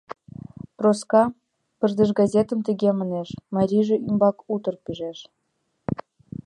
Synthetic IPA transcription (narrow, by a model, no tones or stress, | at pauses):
proskɑ | pərd̪ə̆ʒɡɑzʲet̪ə̆mt̪əɣeməneʃmɑɾʲiʒĕʔymbɑkut̪ə̆rpyʒeʃ